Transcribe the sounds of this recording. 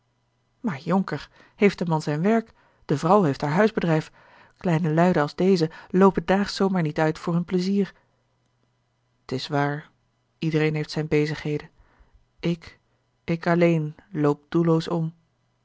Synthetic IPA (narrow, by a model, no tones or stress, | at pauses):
maːɹjɔŋkəɹ | hejftdəmɑnzɛjnʋɛɹk | d̥əvrɑwɦejftɦaːɹɦœɥzbədrɛjf | klɛjnəlœɥdəɑlˠzdejzəlowpədaːχsowmaːɹnitœɥtfʊːɹɦɵnpləziːɹ | tɪsʋaːɹ | idərejnɦejftsɛjnbejzəχɦejdən | ɪk | ɪkɑlejnlowp̚d̥ulowsɔm